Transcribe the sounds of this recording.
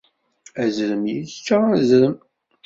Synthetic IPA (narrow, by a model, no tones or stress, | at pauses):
æzɾəmjit͡st͡ʃːaæzɾəm